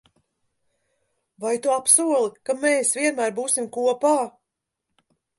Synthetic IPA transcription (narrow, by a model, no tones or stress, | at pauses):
vajt̪uapsuɔlˠikameːsviɛnmæːɾbuːsimkuɔpaː